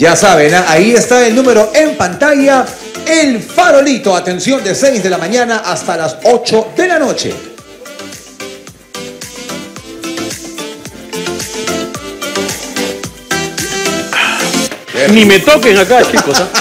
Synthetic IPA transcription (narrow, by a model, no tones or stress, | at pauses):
d͡ʒasaβenaʔaiest̪ae̞lnũme̞ɾo̞ʔempant̪aʝa | elfaɾo̞lit̪o̞at̪e̞nsjo̞nd̪esejzðe̞lamãɲanaʔast̪alaso̞t͡ʃo̞ðe̞lano̞t͡ʃe̞̰ | enimet̪okeŋakat͡ʃikossa